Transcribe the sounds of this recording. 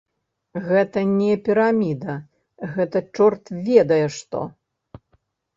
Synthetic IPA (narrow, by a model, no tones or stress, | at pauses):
ɣɛt̪ɐnʲɛpʲiɾamʲid̪ɐ | ɣɛt̪ɐt͡ʂɔrt̪vʲɛd̪ɐjɛʂt̪ɔ̰